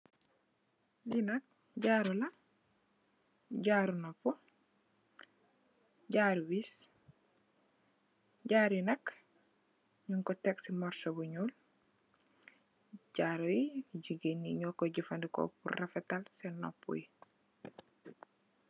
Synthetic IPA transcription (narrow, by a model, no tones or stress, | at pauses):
dinɐk̚ | ɟaːɾulɐ | ɟaɾunɔpːu | ɟaɾwis | ɟaːɾinɐk | ɲuŋkɔtɛksimɔɾsobuɲuːl | ɟaɾujiɟiɡenːiɲɔkɔɟifandikɔ̰pṵrafɛtalsɛnɔ̰pːṵji